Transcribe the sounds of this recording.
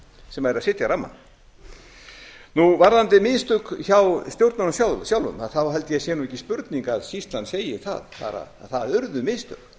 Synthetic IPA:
sɛmaɛɾasɪt̪jaɾamːa̰n | nuvaɾðant̪ɪmɪðst̪ʏkçawst̪jowɾt̪nanʏsjaːwlsjaːwlʏ̰maðθawɦɛlt̪ɪjɛsjɛːnuɛcːɪspʏɾt̪niŋkaðsist̪lanseːjɪθa̰ðfa̰ɾa̰aθaðʏɾðʏmɪðst̪ʏ̰k

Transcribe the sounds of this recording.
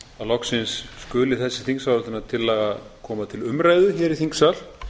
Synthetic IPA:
alɔksɪnsːkʏːlɪθɛsːɪ̥θiŋksaɾɔlt̪ɪnat̪ʰɪlːɛːɣakʰɔːmat̪ʰɪlʏmɾaːjðʏçɛːɾiθiŋksal̥

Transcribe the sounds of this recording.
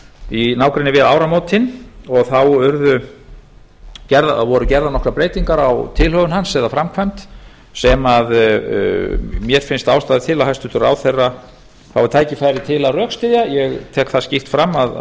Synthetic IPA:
inaːwkɾɪnːɪvɪðaːwɾamoːwt̪ʰɪnɔɣθawʏɾðʏ | cɛɾðavɔɾʏcɛɾðanɔkɾapɾeːjt̪iŋkaɾawt̪ʰɪlhœɣʏnhansːɛðafɾamkʰvajmt̪ | sɛmað | mjɛɾ̥fɪnst̪aːwst̪aːðɪt̪ʰɪlahajst̪ʏ̥t̪ʏɾa̰ːwθejrːa | θawvaɾt̪ʰaːjcɪfaːjɾɪt̪ʰɪlarœːkst̪ɪðjajɛɣt̪ʰɛːkθascift̪fɾamːað

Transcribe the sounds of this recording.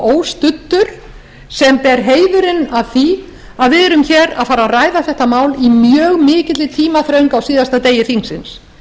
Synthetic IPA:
oːwst̪ʏt̪ːʏɾ̥ | sɛmpɛɾɦeːjðʏɾɪnaðθi | aðvɪðɛɾʏmçɛɾa̰faːɾaraːjðaθɛht̪amaːwlimjœːɣmɪːcɪt̪lɪt̪ʰiːmaθɾœɥŋkawsiːðast̪at̪eːjɪθiŋsɪns

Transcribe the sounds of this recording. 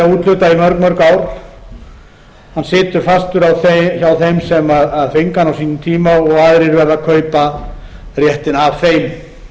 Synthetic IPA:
auːt̪lʏːt̪aimœɾkmœɾkaːwɾ̥ | hansɪːt̪ʏɾ̥fast̪ʏɾawθçawθejmsɛmaðaðfɪŋkanawsiːnʏmt̪ʰiːmaɔɣaːðɾɪɾvɛɾðakʰœːɥpa | rjɛht̪ɪnavfejm

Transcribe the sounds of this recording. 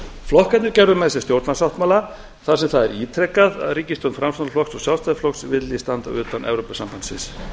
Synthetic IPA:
flɔhkat̪nɪɾcɛɾðʏmɛðɛs̬ɛst̪jowɾt̪nasawht̪maːla | θaɾ̥sɛmθaðɛɾiːt̪ʰɾɛkːaða̰ðriːcɪst̪ɔwnfɾamst̪anflɔksɔɣsjalst̪aðɪflɔksvɪt̪list̪ant̪a̰ʏːt̪anʔɛ̰vɾowpasampand̪̥sɪ̰ns

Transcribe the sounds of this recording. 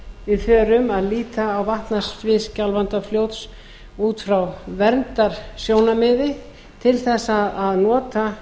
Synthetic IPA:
vɪðfœːɾʏmaðliːt̪aːwvaht̪nastvɪscalvant̪afljowt̪s | uːt̪fɾawvɛɾnt̪aɾ̥sjoːwnamɪðɪ | t̪ʰɪlθɛsːaðaðnɔːt̪a

